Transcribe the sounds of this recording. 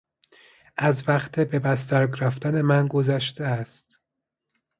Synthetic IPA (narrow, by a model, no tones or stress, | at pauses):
ʔæzvæχt̪ʰebe̞bæst̪æɾɡɾæft̪æne̞mænɡozæʃt̪eæst̪